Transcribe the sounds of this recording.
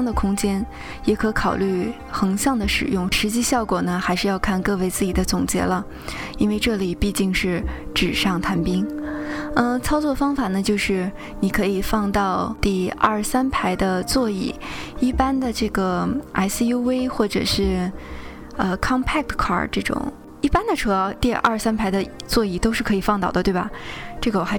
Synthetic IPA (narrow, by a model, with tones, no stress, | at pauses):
ŋd̪ə˨kʰʊ˥ŋt͡ɕjɛ˥n | jɛ˨˥kʰɤ˧˥kʰɑ˨˩ʊly˥˩ | xɤ˧˥ŋɕjɑ˥˩ŋd̪ə˩ʂɻ̩˨˩jʊ˥˩ŋʂɻ̩˧˥t͡ɕi˥˧ɕjɑ˥˩ʊkwɔ˨˩nə˦xa˧˥ɪʂɻ̩˥˧jɑ˥˧ʊkʰa˥˧nkɤ˥˧we˥˧ɪt͡sɹ̩˥˩t͡ɕi˨˩d̪ə˦t͡sʊ˨˩ŋt͡ɕjɛ̰˧˥lə˧ | i˥nwe˥˧ɪʈ͡ʂɤ˥˩li˨˩pi˥˧t͡ɕi˥˧ŋʂɻ̩˥˩ | ʈ͡ʂɻ̩˨˩ʂɑ˥˩ŋt̪ʰa˧˥npi˥ŋ | ə˥˧t͡sʰɑ˥ʊt͡swɔ˥˩fɑ˥ŋfa˨˩nə˦t͡ɕjo˥˧ʊʂɻ̩˥˩ | ni˨˩kʰɤ˧˥i˨˩fɑ˥˧ŋt̪ɑ˥˧ʊt̪i˥˧ɐ˥˩sa˥npʰa˧˥ɪd̪ə˧t͡swɔ˥˧i˥˩i˥˩pa˥nd̪ə˨ʈ͡ʂɤ˥˩ɡə˩ʔa̰˥ɪsi˥ju˥we˥ɪxwɔ˥˩ʈ͡ʂɤ̰˨˩ʂɻ̩˥˩ | ə˧kʰɑ˥ŋpʰa˥k̚t̪kʰɑ̰˥˩ʈ͡ʂɤ˥˩ʈ͡ʂʊ̰˨˩˦ŋ | i˥˩pa˥nd̪ə˨ʈ͡ʂʰɤ˧˥˧t̪i˥˧ɐ̰˞˥˧˩ʂsa˥npʰa˧˥ɪd̪ə˧t͡swɔ˥˧i˥˩t̪o˥ʊʂɻ̩˥˩kʰɤ˧˥i˨˩fɑ˥˧ŋt̪ɑ˥˩ʊd̪ə˩t̪we˥˩bɐ˩ʈ͡ʂɤ˥˩ɡə˩wɔ˨˩x